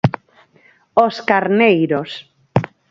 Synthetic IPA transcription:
oskaɾnejɾos

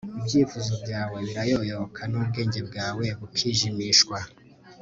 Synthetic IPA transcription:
ibɟiːfuzobɟaːwe̞βiɾajojoβokʰanubɡe̞ːɲɟe̞bɡaːwe̞βukʰiːʒimiʃkwa

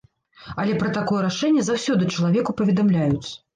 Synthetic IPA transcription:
ɐlʲɛpɾɐt̪akɔjɛɾaʂɛnʲːɛzawsʲɔd̪ɨt͡ʂɐlˠavʲɛkupɐvʲɛd̪amlʲajut̪sːɐ̥

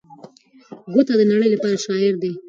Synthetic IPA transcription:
ɡot̪ad̪ənaɽəjlapɑɾaʃɑɪɾd̪e

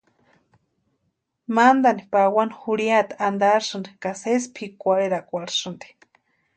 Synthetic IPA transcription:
mand̪anipawanhuɽiat̪aand̪aɾsɨnd̪ikasespʰikʷaɽeɾakʷaɾsɨnd̪i̥

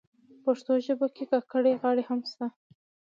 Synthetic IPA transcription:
paʂt̪oʒəbokekakəɽeɣɑɽehamst̪a

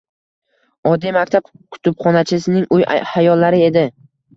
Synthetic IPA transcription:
ɒd̪imakʲt̪ʰab̚ | kʰʊ̥t̪ʰʊpχɒnat͡ʃʰɪsɪnɪŋʔʊja̰hajɒlːaɾɪe̞d̪ɪ

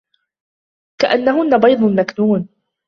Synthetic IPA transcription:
kaʔanːaɦʊnːabɑjd̪ˤʊnmaknuːn

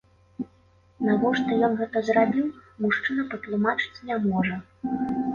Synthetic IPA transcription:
navɔʂt̪ɔjɔnɣɛt̪ɐzrabʲiwmuʂt͡ʂɨnɐpɐt̪lˠumat͡ʂɨ̥t͡sʲnʲamɔʐɐ

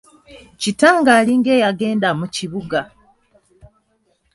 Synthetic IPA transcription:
citaːŋɡaːliŋɡe̞ːjaɡe̞ːndamuciβuɡa

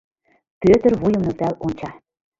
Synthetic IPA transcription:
pøt̪ə̆rβujɤ̆mnɤ̆k̚t̪ælont͡ɕɑ

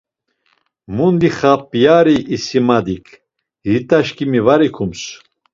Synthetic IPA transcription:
mund̪iχapʼijaɾiːsimad̪ikʰ | ɾit̪ʼaʃkʼimivaɾikʰums

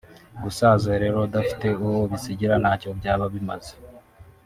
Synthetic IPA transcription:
ɡusaːzeɾe̞ɾo̞dafi̥te̞uwoβisiɟiɾanacobɟaːβaβima̰ze

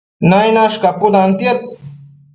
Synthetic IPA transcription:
najnaʃkapʊd̪ant̪jap̚

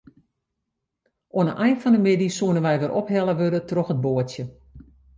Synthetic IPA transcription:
oənəʔɛjnfɔndəmɪdisuənənʋɛjʋɪrʔopɦɛlˠəʋødətroxət̚boətjə

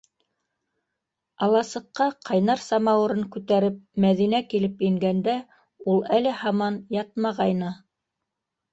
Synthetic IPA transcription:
ɑlˠɑsɤ̆qːɑqʰɑjnɑɾsɑmɑwɤ̆ɾɤŋkʉt̪æɾɘp̚mæðinækilɘpiŋɡænd̪æ | ulˠælɘhɑmɑnjɑt̪̚mɑʁɑjnɤ

